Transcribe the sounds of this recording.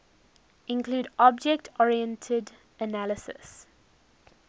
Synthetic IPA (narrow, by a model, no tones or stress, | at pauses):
ɪ̃nkʰluːdɔb̚d͡ʒɛk̚tʰɔɹiɛ̃ntʰəd | ənæləsə̰s